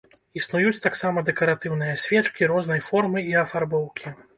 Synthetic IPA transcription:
isnujut͡sʲt̪aksamɐd̪ɛkɐɾat̪ɨwn̪ɨjɐsʲvʲɛt͡ʂkʲiɾɔznɐjfɔrmɨiɐfarbɔwkʲi

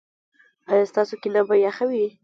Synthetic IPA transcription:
ɑjɑst̪ɑsokinabajaxawi

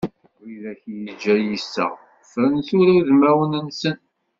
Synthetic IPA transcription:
ilæçjəd͡ʒːæjisːə̰ʁ | fɾənθʊɾuðmæwənənsən

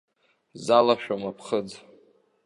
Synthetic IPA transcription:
zalaʃᶣamapʰχəd͡z

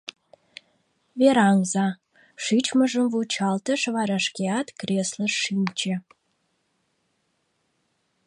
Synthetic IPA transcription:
veɾɑŋzɑ | ʂit͡ɕməʒə̆mvut͡ɕɑlt̪ə̆ʃvɑɾɑʃkʲeɑt̪krʲeslərːinʲt͡ɕĕ

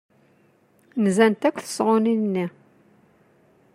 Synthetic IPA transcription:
nzænt̪ækʷːθə̥sʁʊninːi

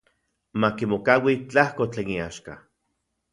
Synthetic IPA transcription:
makimokawit͡ɬahkot͡ɬeːniaʃka

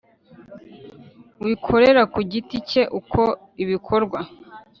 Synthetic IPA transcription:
wikʰo̞ɾeɾakuɟitice̞ʔukʰo̞ | iβikʰo̞ɾɡwa

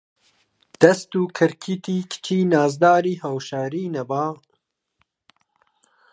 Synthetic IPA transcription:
d̪̥ɐst̪uːkʰɨɾkʰiːt̪iːkʰɨ̥t͡ʃʰiːnaːzd̪aːɾiːhawʃaːɾiːnɐbaː

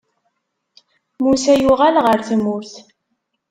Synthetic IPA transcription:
musæjuʁælʁəɾθmʊɾθ

